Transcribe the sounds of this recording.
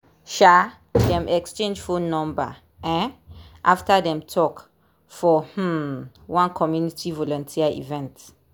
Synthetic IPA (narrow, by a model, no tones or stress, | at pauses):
ʃa | dɛ̃mɛkst͡ʃẽnd͡ʒfonɔ̃mba̰ | ɛ̃nʔaftadɛ̃mtʰɔk | fɔh̩ | wãnkʰɔmjunitʰivɔlɔ̃ntʰiaʔḭvɛ̃nt